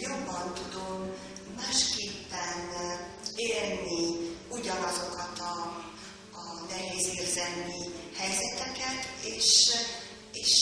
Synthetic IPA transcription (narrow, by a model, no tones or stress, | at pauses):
jo̞bːɒnt̪ud̪o̞mː | aːʃkeːpːɛn | eːrniuɟɒnɒzo̞kɒt̪ɒː | nɛɦeːziːrzɛmːihɛjzɛt̪ɛkɛt̪eːʃ | eːʃ